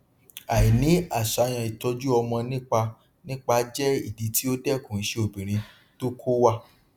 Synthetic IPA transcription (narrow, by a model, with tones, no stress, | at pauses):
a˨i˨nĩ˨˦a˦˨ʃa˨˦j̃ã˧i˨tɔ˧d͡ʒu˦ɔ˧mɔ̃˧nĩ˦k͡pa˧ | nĩ˦k͡pa˧˦d͡ʒɛ˦i˦˨di˧ti˦o˦dɛ˦kũ˨ñ̩˨˦ʃe˦o˨bĩ˨ɾ̃ĩ˧ | to˦kʰo˦wa˦˨